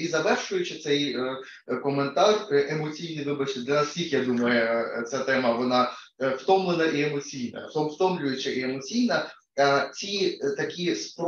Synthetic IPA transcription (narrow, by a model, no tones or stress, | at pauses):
izɐʋɛrʃʊjʊt͡ʃɪt̪sɛjə | kɔment̪arʔemɔt͡sʲijnɨjʋɪbɐt͡ʃɪɪd̪lʲɐnɐsʲkʲixjad̪umɐjʊt̪sʲat̪ɛmɐʋɔna | ft̪ɔmlˠenɐʔiɛmɔt͡sʲijnɐ̰t̪ɔmft̪ɔmlʲʊjʊt͡ʃɐʔiɛmɔt͡sʲijnɐ | t͡sʲit̪ɐkʲispɾ